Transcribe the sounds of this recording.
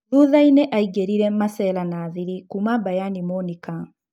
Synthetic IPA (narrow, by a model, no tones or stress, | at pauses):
ðuðaineʔaiɡeɾiɾɛmasɛlanaːðiɾikumabajanimɔnika